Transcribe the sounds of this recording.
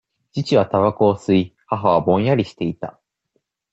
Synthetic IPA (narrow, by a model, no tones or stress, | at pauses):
d͡ʑit͡ɕiβ̞at̪aβako̞ːsɨihaɦaβ̞abõ̞jaɾʲiɕi̥t̪e̞it̪a̰